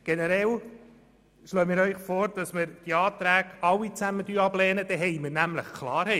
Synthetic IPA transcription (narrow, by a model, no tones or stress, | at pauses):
ɡ̥enəɾɛl | ʃløːmiːɾœʏχfoːɾd̥ɑsmɪɾd̥iɑːt̪ɾæːɡ̥ɑwːit͡sæməd̪yːɑb̥lɛːnəd̥̪ɛɦɛjmərnæmləχkʰlɑːɾhɛ